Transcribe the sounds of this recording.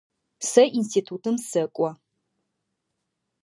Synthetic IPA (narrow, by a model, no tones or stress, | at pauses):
sɐʔinstʰiːtʰuːtʰɨmsɐkʷʼɔ